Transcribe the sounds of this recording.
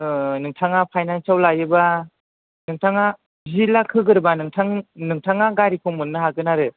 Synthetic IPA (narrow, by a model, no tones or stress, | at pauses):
ɯnɯŋtʰaŋapʰajnansawlajɯba | nɯŋtʰaŋa | zilakʰɯɡɯɾbanɯŋtʰaŋnɯŋtʰaŋaɡaɾikʰɔŋmɯnːɯɦaɡɯnaɾɯ